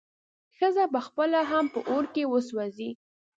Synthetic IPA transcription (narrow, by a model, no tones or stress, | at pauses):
xəzabaxpəlaɦampəʔoɾkewəswazi